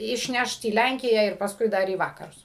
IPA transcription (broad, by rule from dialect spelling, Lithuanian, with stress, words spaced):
ɪʃʲˈnʲɛʃt iː ˈlʲæŋʲkʲɪjæː ɪr pɐsˈkʊɪ ˈdɐr iː ˈʋɑːkɐrʊs